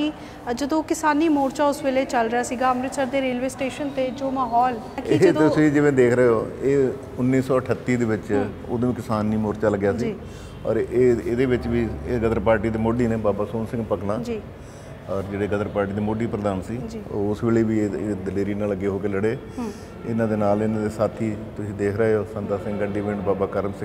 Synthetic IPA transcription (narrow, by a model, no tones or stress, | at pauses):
i | d͡ʒəd̪õːkɪsaːniːmoːɾt͡ʃaːʊsʋeːleːt͡ʃəlɾɪjaːsiːɡaːəmɾɪsəɾd̪eːɾeːlʋeːsʈeːʃənt̪eːd͡ʒoːmaːɦɔːl | kied͡ʒət̪ʊsĩːd͡ʒɪʋẽːd̪eːkʰɾəeoːeː | ʊnːiːsɔːəʈʰət̪ːiːd̪eːʋɪt͡ʃ | o̰ːd̪õːiːkɪsaːnːiːmoːɾt͡ʃaːləɡjaːsiː | ɔ̰ːɾeːeːd̪eːʋɪt͡ʃʋiːeɡəd̪əɾpaːɾʈiːd̪eːmoːɖiːneːbaːbaːsoːnsɪ̃ŋɡpəknãːd͡ʒː | ɔːɾd͡ʒeːɽeːɡəd̪əɾpaːɾʈiːd̪eːmoːɖiːpɾəd̪aːnsiːd͡ʒiːɔʊsʋɪːleːʋiːeːd̪əleːɾiːnãːləɡeːɦoːkeːləɽeː | ɪnãːd̪eːnaːlɪnãːd̪eːsaːt̪ʰiːt̪ʊsĩːd̪eːkʰɾəɦeɦoːsənt̪aːsɪ̃ŋɡəɳɖiːʋẽːɳɖbaːbaːkəɾmsɪ̃ŋ